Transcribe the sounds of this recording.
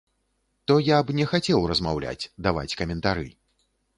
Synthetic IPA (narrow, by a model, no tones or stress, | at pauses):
t̪ɔjabnʲɛxat͡sʲɛwrɐzmawlʲa̰t͡sʲd̪ava̰t͡sʲkɐmʲɛnt̪aɾɨ̰